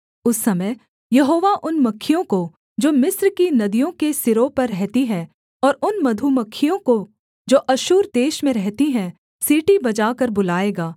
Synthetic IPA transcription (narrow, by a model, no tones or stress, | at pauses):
ʊsːɐməj | jɐɦoːʋaʔʊnmɐkʰːijõko | d͡ʒoːmɪsɾkinɐd̪ijõkesɪɾopɐɾːɛɦt̪iɦɛ̃ | ɔːɾʊnmɐd̪ʱumɐkʰːijõko | d͡ʒoːʔɐʃuːɾd̪eːʃmẽɾɛɦt̪iɦɛ̃ | siːʈibɐd͡ʒaːkɐɾbʊlaːeːɡaː